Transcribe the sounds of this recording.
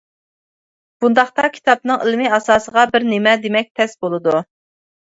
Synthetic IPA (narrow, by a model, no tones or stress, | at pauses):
b̥und̪ɑχt̪ɑkʲʰi̥t̪ʰɑp̚nɨŋḭlmɨɑsɑːsəʁɑbɪɾnemɛd̪emɛk̚ʲt̪ʰɛsbolˠɨd̪u